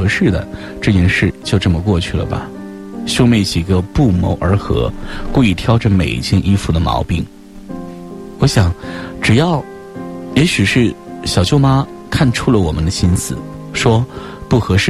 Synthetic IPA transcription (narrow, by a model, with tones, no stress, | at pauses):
ɤ˧˥ʂɻ̩˥˩d̪ə̰˩ | ʈ͡ʂɤ˥˧t͡ɕjɛ˥˧nʂɻ̩˥˩t͡ɕjo˥˧ʊʈ͡ʂə˥˩mə˨k̬wɔ˥˧t͡ɕʰy˥˩lə̰˩bɐ̰˩ | ɕjo˥ʊme˥˩ɪt͡ɕi˨˩ɡə˧pu˥˩mo˧˥ʊʔə˞˧˥xɤ̰˧˥kwu˥˧i˥˩t̪ʰjɑ˥ʊʈ͡ʂə˥˧me˨˩ɪt͡ɕʰi˥ŋʔi˥fu˥˩d̪ə˩mɑ̰˧˥ʊpi˥˩ŋ | wɔ˧˥ɕjɑ˨˩˦ŋʈ͡ʂɻ̩˨˩jɑ˥˩ʊ | jɛ˧˥ɕy˨˩ʂɻ̩˥˩ɕjɑ˨ʊt͡ɕjo˥˧ʊma˥ | kʰa˥˩nʈ͡ʂʰu˥lə˨wɔ˨˩mə˦nd̪ə˧ɕi˥nsɹ̩˨˩ʂwɔ˥ | pu˥˩xɤ˧˥ʂɻ̩˥˩